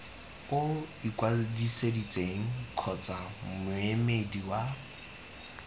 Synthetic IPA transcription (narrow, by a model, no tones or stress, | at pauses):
kʼoikʼwadisedit͡sʼeŋ̩kʰɔt͡sʼamʊemediwa